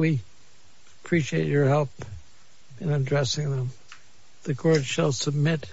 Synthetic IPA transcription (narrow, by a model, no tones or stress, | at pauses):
wi | əpʰɹ̥iʃieɪt͡ʃə˞hɛlˠp | ɨ̃nɨdɹɛsɪ̃ŋðə̃m | ðɨkʰɔɹdʃəlˠsəb̚mɪt̚